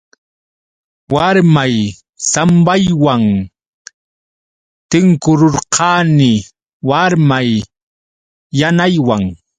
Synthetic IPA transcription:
waɾmaj | sambajwaŋ | t̪ɪŋkʊɾʊɾqʰɑːnɪ | waɾmaj | anajwaŋ

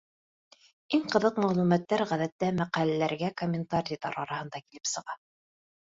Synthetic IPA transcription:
iŋqɤ̆ðɤqmæʁlˠumæt̪ːæɾʁæðæt̪ːæmæqælælæɾɡækomʲːɪnt̪aɾʲit̪ɑɾɑɾɑhɤ̆nd̪ɑkilɘ̥psɤ̆ʁɑ

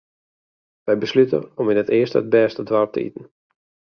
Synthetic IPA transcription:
ʋɛjbəslytə̰ɔminətɪəstəəd̚bɛːstədʋarp̚tʰə̰ʔḭtn̩

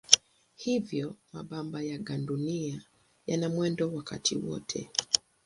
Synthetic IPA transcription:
hivjɔmaɓambajaɡandunia | janamwɛndɔwaka̰tʰḭwɔ̰tʰɛ̰

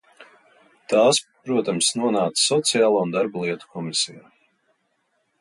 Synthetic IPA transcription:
t̪aːspɾuɔt̪amsnuɔnaːt̪ssɔt̪sijaːlˠuːund̪aɾbalˠiɛt̪u̥kʰɔmisijaː

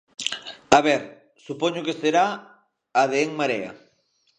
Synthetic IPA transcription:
aβɛɾ | supɔɲʊkeseɾa | aðeeŋmaɾea̰

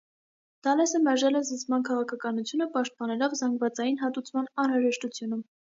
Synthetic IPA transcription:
d̪̥ɑlɛsəmɛɾʒɛlɛzət͡smɑnkʰɑʁɑkʰɑkɑnut͡sʰjunəpɑʃt̪̚pɑnɛlɔvzɑŋɡvɑt͡sɑjinɦɑt̪ut͡sʰmɑnɑnɾɑʒɛʃt̪ut͡sʰjunum

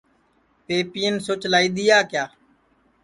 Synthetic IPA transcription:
peːpijənsoːt͡ʃlaːiːd̪ɪjaːkjaː

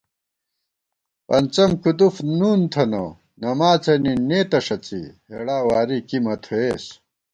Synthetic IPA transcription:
pɐnt͡sɐmkud̪ufnuːnt̪ʰɐnɐ̰ | nɐmaːt͡sɐnineːt̪ɐʂɐt͡sḭheɽaːwaːɾikimɐt̪ʰoeːs

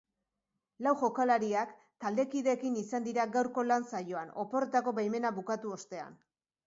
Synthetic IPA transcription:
lawʝo̞kalaɾiak | t̪ald̪e̞kiðe̞ːkinisand̪iɾaɡawɾko̞lansajo̞ano̞po̞re̞t̪ako̞βajme̞naβukat̪uo̞st̪e̞a̰n

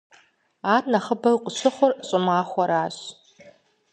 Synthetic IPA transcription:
aːrnɐχəbɐqʷʼʊɕɨχʷʊrɕʼɪmaːχʷɔɾaːɕ

